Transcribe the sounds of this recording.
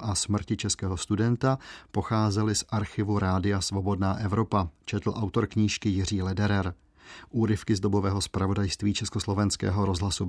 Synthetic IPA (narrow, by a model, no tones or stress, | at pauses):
ʔasmr̩cɪt͡ʃɛskɛːɦo̞st̪udɛnt̪apo̞xaːzɛlɪsʔaɾxɪvuɾaːdɪjasvo̞bo̞dnaːʔɛvɾo̞pat͡ʃɛt̪l̩ʔawt̪o̞ɾkɲiːʃkɪjɪr̝iːlɛdɛɾɛɾ | ʔuːɾɪfkɪzd̪o̞bo̞vɛːɦo̞spɾavo̞dajst̪viːt͡ʃɛskoslo̞vɛnskɛ̰ːɦo̞ɾo̞zɦlasu